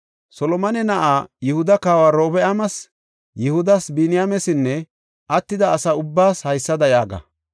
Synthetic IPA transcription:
sɔlɔmɐnɛnɐʔaːjɪhʊd̪ɐkaːwaːɾo̞ːbɛʔɐmɐs | jɪhʊd̪ɐsbɪnɪjamɛsɪnːɛ | ʔɐt̪ːɪd̪ɐːsɐʊbːaːshɐjsːɐd̪ɐjaːɡɐ̰

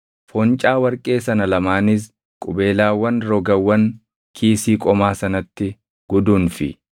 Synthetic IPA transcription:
fɔnt͡ʃʼaːwɐɾkʼe̞ːsɐnɐlɐmaːnɪs̬ | kʼʊbe̞ːlaːwːɐnɾɔɡɐwːɐn | kʰiːsiːkʼɔmaːsɐnɐt̪ːɪ | ɡ̥ɔd̪uːnfɪ̰

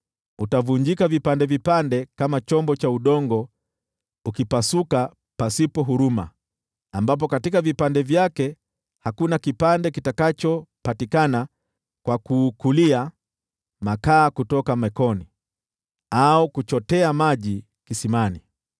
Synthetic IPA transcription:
utavuɲd͡ʒikavipandɛvipandɛkamat͡ʃɔmbɔt͡ʃauɗɔŋɡɔ | ukipasuka | pasipɔɦuɾuma̰ | ambap̬ɔkatikavipandɛvjakɛ | hakunakipandɛkitakat͡ʃɔpatikana | kwakuːkulia | makaːkutɔkamɛkɔni | aukut͡ʃɔtɛamaʄi | kisimani

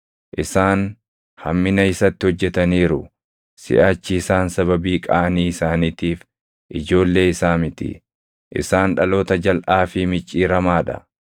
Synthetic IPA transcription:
ʔɪsaːn | hɐmːɪnɐɪsɐt̪ːɪhɔd͡ʒːɛt̪ɐniːɾʊ | sɪ̰ʔaːt͡ʃːiɪsaːnsɐβɐbiːkʼɐːʔɐniːɪsaːniːt̪iːf | ʔɪd͡ʒo̞ːlːe̞ːɪsaːmɪt̪ɪ̰ | ʔɪ̰saːnᶑɐlo̞ːt̪ɐd͡ʒɐlʔaːfɪmɪt͡ʃʼːiːɾɐmaːᶑɐ̰

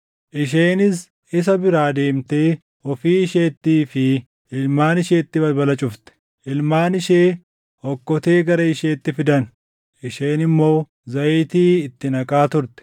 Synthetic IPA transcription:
ʔɪʃ̬eːnɪs | ɪs̬ɐbɪɾaːd̪e̞ːmt̪e̞ː | ɔfiːɪʃe̞ːt̪ːiːfɪ | ɪlmaːnɪʃeːt̪ːɪbɐlbɐlɐt͡ʃʼʊft̪ɛ̥ | ʔɪlmaːnɪʃeː | hɔkːɔt̪e̞ːɡɐɾɐɪʃeːt̪ːɪfɪd̪ɐn | ʔɪʃeːnɪmːo̞ː | zɐːt̪iːɪt̪ːɪnɐkʼaːt̪ʊɾt̪ɛ̥

